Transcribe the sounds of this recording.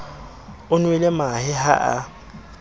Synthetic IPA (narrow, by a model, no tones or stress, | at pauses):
ʊnwɛlɛmahɪɦa̰ʔa̰